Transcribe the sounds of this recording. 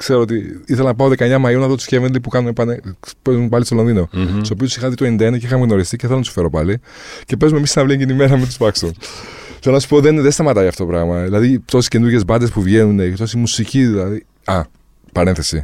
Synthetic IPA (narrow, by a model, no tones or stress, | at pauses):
kse̞ɾoot̪iiθe̞lɐnɐpɐoðekɐeɲɐmɐjonɐfðot̪u̥scevent̪elipukɐnumepɐnpezumepɐlist̪olo̞nðino̞t̪isopiosixɐðit̪oend̪ɐeneceixɐmeɣno̞ɾist̪iceθe̞lont̪su̥fe̞ɾo̞pɐli | ce̞pe̞zume̞misinɐvlieɲɟinimeɾɐmint̪uspɐksun | θelonɐsu̥poðenðest̪ɐmɐt̪ɐjɐft̪o̞t̪opɾɐɣmɐðilɐðit̪o̞sisce̞nuɾʝe̞zbɐd̪e̞spuvʝe̞nunet̪o̞simusiciðilɐði | ɐ | pɐɾenθesi